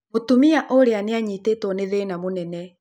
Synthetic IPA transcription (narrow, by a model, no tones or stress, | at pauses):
motumiaʔoɾeaneaɲiːteːtɔneðenamonɛnɛ